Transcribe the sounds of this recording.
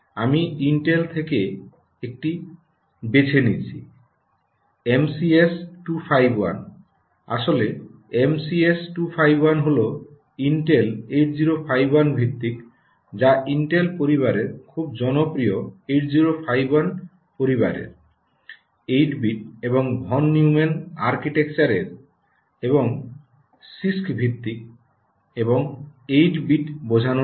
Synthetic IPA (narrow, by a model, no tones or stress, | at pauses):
amiiɳʈelt̪ʰeke | ek̚ʈi | bet͡ɕʰenit͡ɕʰi | emsiesʈupʰajbwa̰n | a̰ʃoleemsiesʈupʰajbwanɦolo | inʈelejʈ̚ziɾopʰajbwanbʱik̚t̪ik | d͡ʑaʔiɳʈelpoɾiβaɾeɾkʰub̚d͡ʑɔnopɾijoeʈziɾopʰajbwan | poɾibaɾḛɾ | ejʈbiʈ̚ebɔŋbʱɔnːiumenaɾkiʈek̚t͡ɕaɾeɾ | eβɔŋ | siskbʱit̪ːik̚ | ebɔŋejʈbiʈbod͡ʑʱano